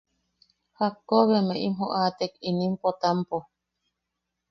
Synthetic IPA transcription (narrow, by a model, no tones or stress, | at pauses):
hakːoβemeʔimɦoʔat̪ekinimpot̪ampo